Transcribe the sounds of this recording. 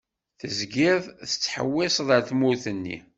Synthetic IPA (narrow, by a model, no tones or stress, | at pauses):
θəzɡiðˤθət͡sːħə̰wːɪsˤðˤəɾθmʊθənːḭ